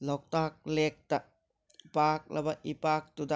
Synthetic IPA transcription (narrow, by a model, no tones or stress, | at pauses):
lɔk̚t̪ak̚lek̚t̪a | paːk̚lɐbaʔipaːk̚t̪ud̪a